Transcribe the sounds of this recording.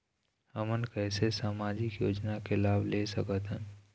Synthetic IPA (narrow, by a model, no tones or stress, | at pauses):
həmənkɛːsesaːmaːd͡ʒɪkjoːd͡ʒnakelaːbʱlesəkət̪ɦə̃